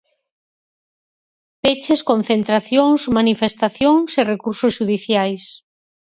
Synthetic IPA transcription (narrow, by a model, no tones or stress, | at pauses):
pet͡ʃeskon̟θent̪ɾaθjoŋsmanifest̪aθjoŋserekuɾsosʃuðiθjajs